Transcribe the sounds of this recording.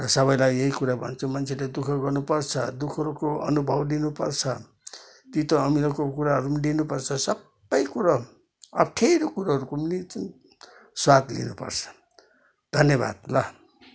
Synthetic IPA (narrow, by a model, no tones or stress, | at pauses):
rʌsʌβʌjlajeɦikuɾabʱʌ̰nt͡sʰumʌnt͡sʰeled̪ukʰʌɡʌrnupʌrt͡sʰʌd̪ukʰʌɾukoʌ̰nubʱʌblinupʌ̰rt͡sʰʌ | t̪it̪oːmilʌkokuɾaɦʌɾumalinupʌrt͡sʰʌsʌbbːʌjkuɾʌ | ʌʈʰeɾokuɾaɦʌɾukumlit͡s | swat̪lḭnupʌ̰rt͡sʰʌ̥ | d̪ʱʌnjʌba̰d̪̚lʌ